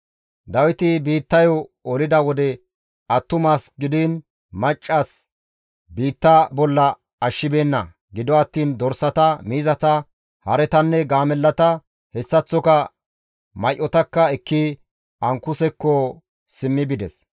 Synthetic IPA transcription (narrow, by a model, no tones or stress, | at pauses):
d̪ɐwɪt̪ɪbiːt̪ːɐjɔɔlɪd̪ɐwɔd̪ɛ | ɐt̪ːʊmaːsɡɪd̪in | mɐt͡ʃʼːaːs | biːt̪ːɐbɔlːɐ | ɐʃːɪbe̞ːnːɐ̰ | ɡɪd̪ɔɐt̪ːiːnd̪ɔɾsɐt̪ɐmiːzɐt̪ɐ | hɐɾɛt̪ɐnːɛɡaːmɛlːɐt̪ɐ | hɛsːɐt͡sːɔkɐ | mɐjʔɔt̪ɐkːɐɛkːi | ɐŋkʊsɛkːɔ | sɪmːɪbɪd̪ɛs